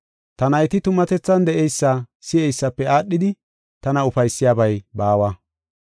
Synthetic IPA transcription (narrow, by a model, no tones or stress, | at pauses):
t̪ɐnɐjt̪ɪt̪ʊmɐt̪ɛt͡sːɐnd̪ɛʔɛjsːɐsɪɛjsːɐpːɛaːɗːɪd̪ɪ | t̪ɐnɐʊfɐjsːɪjaːbɐjbaːwɐ